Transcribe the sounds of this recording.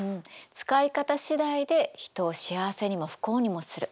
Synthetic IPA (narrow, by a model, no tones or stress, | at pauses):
ɯ̟̃ɴt͡sɨ̥kaikat̪aɕid̪aid̪e̞çi̥t̪o̞ːɕiaβase̞ɲ̟imo̞ɸɯ̥ko̞ːɲ̟imo̞sɨɾɯ̟